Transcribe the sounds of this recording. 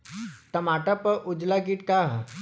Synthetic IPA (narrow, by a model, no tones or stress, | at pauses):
t̪ɐmaʈapəʔʊd͡ʒlaɡiʈkaɦ